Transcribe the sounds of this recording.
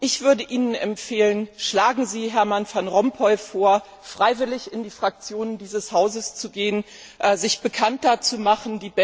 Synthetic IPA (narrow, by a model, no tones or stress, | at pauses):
ʔɪçv̥ʏɐdəʔiːnənɛmfeːlənʃlaːɡŋ̩ziːɦɛɐmanfanʁɔmpʰɔʏfoːɐ | fʁ̥aɪvɪlɪçɪndiːfʁ̥ak̚t͡sjoːnəndiːzəshaʊzəst͡suɡeːən | ʔɛzɪçb̥əkʰantɐt͡sumaχn̩diːbɛ